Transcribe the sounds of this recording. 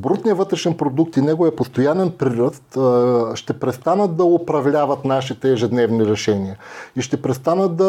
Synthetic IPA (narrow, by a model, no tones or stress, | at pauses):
bɾut̪nijəvɤt̪ɾɛʃɛnpɾod̪ukt̪inɛɡoəpost̪ojanɛnpɾiɾəst̪ʃt̪ɛpɾɛst̪anət̪̚d̪ɐopɾɐvlʲavɐt̪naʃit̪ɛːʒɛd̪nɛvniɾɛʃɛniəiʃt̪ɛpɾɛst̪anət̪̚d̪ɐ